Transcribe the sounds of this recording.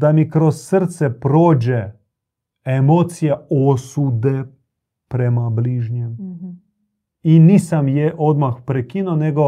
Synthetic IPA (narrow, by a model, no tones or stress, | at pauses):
d̪amikɾosːəɾ̩t̪sɛpɾoːd͡ʒɛ | emoːt̪sijɛosud̪ɛ | pɾɛmabliːʒnjɛm | inːisamjɛʔod̪maxpɾɛkinunɛɡɔ